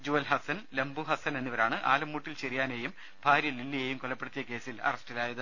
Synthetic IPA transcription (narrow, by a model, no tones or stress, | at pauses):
d͡ʑuʋɐlɦɐsɐnlɐmbuɦɐsɐne̞nːiʋɐɾaːɳɨʔa̰ːlɐmːuːʈːilt͡ɕerijaːnejum | bʱaːɾjɐlilːijejumkolɐpːeɽut̪ːijɐke̞ːsilɐ̰rɐsʈilaːjɐðɨ